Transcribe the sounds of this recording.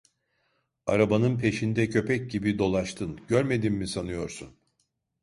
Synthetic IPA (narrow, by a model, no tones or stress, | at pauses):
a̰ɾabanɯnpʰe̞ʃind̪ɛcʰø̞pʰɛc̚ɟibid̪o̞lˠaʃt̪ʰɯnɟøɾme̞d̪inmisanɯjo̞ɾsun